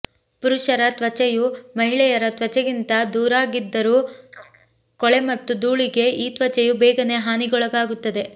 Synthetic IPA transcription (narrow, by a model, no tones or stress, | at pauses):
puɾuʃɐɾɐt̪ʋɐt͡ʃɛjumɐɦiɭɛjɐɾɐt̪ʋɐt͡ʃɛɡint̪ɐd̪uːɾaːɡid̪ːɐɾuː | kɔɭe̞mɐt̪ːud̪uːɭiɡe̞ʔiːt̪ʋɐt͡ʃɐjubɛːɡɐne̞ɦaːniɡɔɭɐɡaːɡut̪ːɐd̪e̞